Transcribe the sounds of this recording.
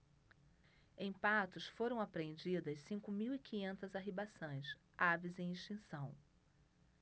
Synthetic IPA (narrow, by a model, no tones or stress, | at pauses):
ẽj̃pat̪ʊsfoɾɐ̃w̃apɾẽnd͡ʒid̪ɐssĩŋkʊmiwikĩɲẽnt̪ɐzaɦibasõj̃s | avizẽj̃ĩʃt͡ʃĩsɐ̃w̃